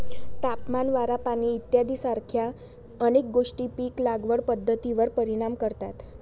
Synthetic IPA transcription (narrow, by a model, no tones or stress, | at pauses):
t̪apmanʋaɾapañiːt̪jad̪iːsaɾkʰja | ənek̚ɡoʂʈiːpiːklaɡʋəɽpəd̪ʱːət̪iʋəɾpəɾiɽ̃amkəɾt̪at̪